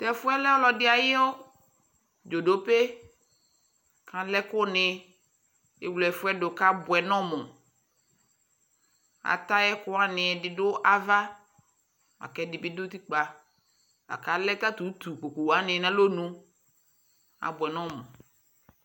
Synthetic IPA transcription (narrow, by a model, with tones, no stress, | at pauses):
t̪ɛ˦˨fʊ˦ɛ˦lɛ˦ɔ˦lɔ˨dɪ˦a˨jɪ˦o˦ | d͡ʒo˨do˦pe˦ | kã˨lɛ˦kʊ˦nɪ̃˨ | e˨wlɛ˨fʊ˦ɛ˦do˨ka˦bʊ˨ɛ˨nɔ̃˦mʊ̃˨ | a̰˨t̪a˦jɛ˦kʊ˦a˦nɪ̃˨dɪ˨dʊ˦ʔa˨va˦ | a̰˨kɛ˦dɪ˨bɪ˦dʊ˦t̪i˦k͡pa˨ | a̰˨ka˨lɛ˦t̪a˦t̪u˨˦t̪u˨ko˨ko˨wa˦nɪ̃˨nã˦lo˦nũ˦ | a̰˨bɛ˨nɔ̃˦mʊ̰̃˨